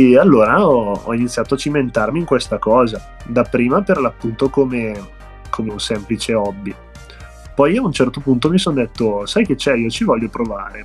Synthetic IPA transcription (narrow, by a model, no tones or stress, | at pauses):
ealːoːɾaɔɔ̰init̪sːjaːt̪oat͡ʃːiment̪armiːŋkwest̪akɔːza | d̪apːɾiːmaperlapːunt̪okome | kʰomeunsɛmplit͡ʃeɔbːi | pɔjaunt͡ʃɛrt̪opunt̪omisond̪et̪ːosajk̟et͡ʃːɛiːot͡ʃivɔʎːopɾovaːɾe